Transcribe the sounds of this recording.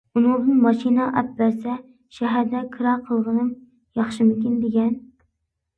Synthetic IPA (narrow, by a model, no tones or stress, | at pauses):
unɨŋd̪ɨnmɑʃinɑʔɛp̚bæɾsɛ | ʃɛɦæɾd̪ɛkʰɨɾɑqʰəlˠʁənɨm | jɑχʃɨmymkʲind̪eɡʲɛn